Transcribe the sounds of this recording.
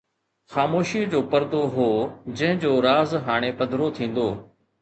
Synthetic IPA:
xaːmoːʃiːəd͡ʑoːpɐɾd̪oɦoːd͡ʑɐ̃ɦɪ̃d͡ʑoːɾaːzɦaːɽ̃epɐd̪ʱɾot̪ʰĩːn̆d̪oː

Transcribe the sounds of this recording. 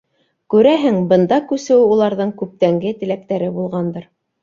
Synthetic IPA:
kʉɾæɦɘŋbɤ̆nd̪ɑkʉsɘ̆wɘulˠɑɾðɤɴkʉp̚t̪æŋɡɘt̪ɘ̆læk̚t̪æɾɘbulˠʁɑnd̪ɤɾ

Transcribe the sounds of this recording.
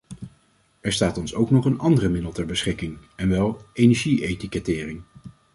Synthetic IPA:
ɛɹstaːtɔnsowknɔχənɑndərəmɪdəlˠtɛɹbəsχɪkɪŋɛnʋɛlˠʔejnɛɹʒiejtikɛtɪːrɪŋ

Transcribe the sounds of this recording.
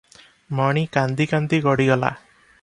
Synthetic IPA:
mɔɽ̃ikand̪ikand̪iɡɔɽiɡɔla̰

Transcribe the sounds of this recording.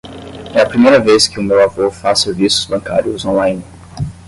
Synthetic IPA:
ɛɐpɾimejɾɐveskɪʊmewavofaseɾvisʊ̥z̥bɐ̃kaɾjʊzõlãj̃n

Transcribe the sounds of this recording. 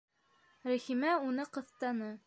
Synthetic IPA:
ɾæ̆himæunɤqɤ̆θt̪ɑnɤ

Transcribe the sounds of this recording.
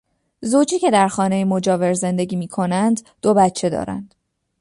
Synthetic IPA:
zot͡ʃʰiːcʰe̞d̪æɾxɒːne̞jemo̞d͡ʒɒːve̞ɾze̞nd̪e̞ɟiːmiːkʰo̞nænd̪ | d̪obæt̪t͡ʃʰe̞d̪ɒ̰ːɾæ̰nd̪̥

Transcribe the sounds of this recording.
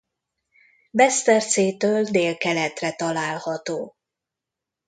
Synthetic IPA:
bɛst̪ɛrt̪seːt̪øːld̪eːlkɛlɛt̪rɛt̪ɒlaːlhɒt̪oː

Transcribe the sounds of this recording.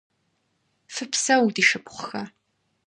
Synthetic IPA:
fɨpsɐwdiːʃɨpʰʷʼχʷxɐ

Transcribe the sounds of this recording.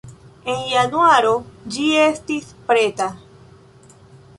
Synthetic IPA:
e̞njanuaɾod͡ʒie̞stispɾeta

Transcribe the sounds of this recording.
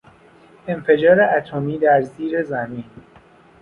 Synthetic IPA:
e̞mfe̞d͡ʒɒːɾeʔæt̪ʰomiːd̪æɾziːɾezæmiːn

